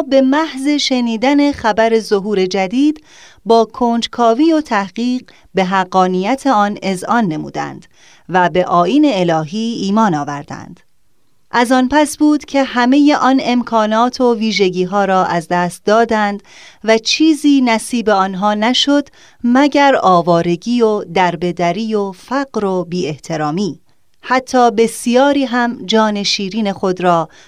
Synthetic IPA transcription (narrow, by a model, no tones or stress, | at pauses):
be̞mæhze̞ʃe̞niːd̪æne̞xæbæɾe̞zoɦuːɾe̞d͡ʒæd̪iːd̪̥ | bɒːkʰoːnd͡ʒkʰɒːviːo̞t̪ʰæhɢiːɢ | be̞ɦæɣːɒːniːjæt̪ʰe̞ɒːne̞zʔɒːnːe̞mṵːd̪æ̰nd̪̥ | væbe̞ʔɒːiːne̞ːlɒːɦiːiːmɒːnɒːvæɾd̪̥æ̰nd̪̥ | ʔæzɒːnpæsbuːd̪̥cʰe̞hæme̞je̞ʔɒːne̞mkʰɒːnɒːt̪ʰo̞viːʒe̞ɟiːɦɒːɾɒːʔæzd̪æːst̪̚d̪ɒːd̪ænd̪̥væt͡ʃʰiːziːnæsiːbe̞ɒːnɦɒːnæʃo̞d̪̥ | mæɟæɾɒːvɒːɾe̞ɟiːod̪æɾbe̞d̪æɾiːjofæɡɾo̞biːe̞ht̪ʰe̞ɾɒːmiː | hæt̪ʰːɒːbe̞sijɒːɾiːɦæmd͡ʒɒːne̞ʃiːɾiːne̞xo̞d̪ɾɒː